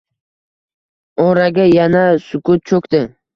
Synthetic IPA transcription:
ɔɾaɡʲajanasʊkʰʊt̪̚t͡ʃʰokʲt̪ɪ

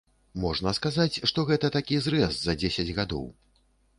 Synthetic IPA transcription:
mɔʐnɐskazat͡sʲʂt̪ɔɣɛt̪ɐt̪akʲizɾɛszɐd͡zʲesʲɐd͡zʲɣad̪ɔ̰w

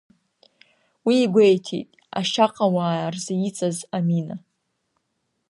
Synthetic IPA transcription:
wiːɡʷejtʰḭtʼ | a̰ʃaqʼawaːrzajit͡sʼazamina

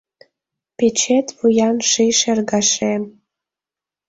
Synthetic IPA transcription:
pet͡ɕet̪βujɑnʃiʃerɣɑʃem

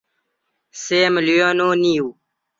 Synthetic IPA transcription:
seːmlijonoːniːuː

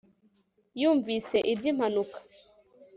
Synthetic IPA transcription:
juɱvisɛʔidim̥anukḁ

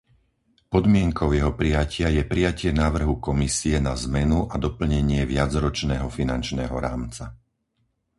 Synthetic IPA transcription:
pɔd̪mɪɛŋkʰɔʊjɛɦɔpɾijacʰɪajɛpɾijacɪɛnaːʋr̩ɦukɔmisiɛnazmɛnuʔad̪ɔpl̩ɲɛɲɪɛʋɪad͡zɾɔt͡ʃnɛːɦɔfina̰nt͡ʃnɛːɦɔ̰ɾaːmt͡sa

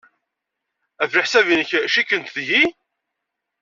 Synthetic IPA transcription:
ævɾɪħsævinəçʃikːənt̪ðʝi

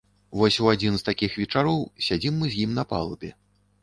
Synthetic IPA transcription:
vɔsʲuad͡zʲinst̪akʲixvʲɛt͡ʂaɾɔwsʲad͡zʲimːɨzʲjimnɐpa̰lˠubʲɛ

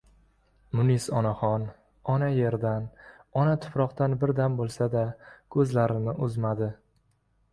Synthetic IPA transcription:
mʊnisɒnaχɒn | ɒnaje̞ɾd̪an | ɒnat̪ʰʊ̥pɾɒqt̪anbɪɾd̪ambolˠsad̪akʰɵzlaɾɪnɪʔʊzmad̪ɪ

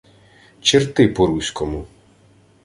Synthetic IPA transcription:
t͡ʃɪrt̪ɪpɔɾusʲkɔmu

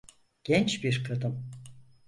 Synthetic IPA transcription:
ɡ̥ɛnt͡ʃbiɾkʰɯd̪ɯm

